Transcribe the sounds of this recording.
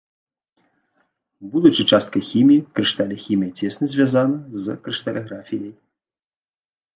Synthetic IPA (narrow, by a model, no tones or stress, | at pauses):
bud̪ut͡ʂɨt͡ʂast̪̚kɐxʲimʲijikɾɨʂt̪alʲɐxʲimʲijɐt͡sʲɛsnɐzʲvʲazanɐzkɾɨʂt̪alʲɛɣɾafʲijɐj